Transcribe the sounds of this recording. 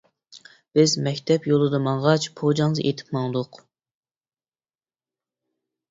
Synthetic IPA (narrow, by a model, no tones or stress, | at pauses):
b̥ɪzmɛkʲt̪ʰɛpjolˠɨd̪ɑmɑɴʁɑt͡ʃpʰod͡ʒɑŋzʔet̪ʰɪ̥pmɑŋd̪ʊq